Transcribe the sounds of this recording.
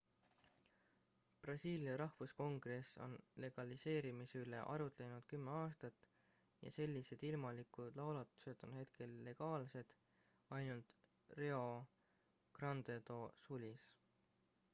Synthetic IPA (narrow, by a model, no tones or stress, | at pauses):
prɑsiːliɑɾɑhvusko̞ŋɡ̥re̞so̞̰nle̞ɡ̥ɑlise̞ːɾimiseyle̞̰ʔɑɾut̪lenud̪̥kymːeɑːst̪ɑt̪ːˑ | jɑ̰se̞lʲːise̞d̪̥ilmɑlikˑud̪̥lɑwlɑt̪ːˑu̥se̞d̪̥onhe̞t̪̚kʰe̞lːe̞ɡ̥ɑːlse̞d̪̥ | ɑjnult̪ | reo̞ | krɑnd̪et̪o̞sulʲis